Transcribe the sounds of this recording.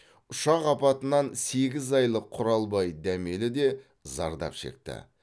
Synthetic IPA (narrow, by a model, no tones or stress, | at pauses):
ʊʃɑqɑpɑt̪ənɑnse̞ɡʲɪzɑjlˠəqʰːʊɾɑlˠbɑjd̪æme̞lɪd̪e̞ | zɑ̰ɾd̪ɑ̰pʃe̞̰k̚t̪ɪ̰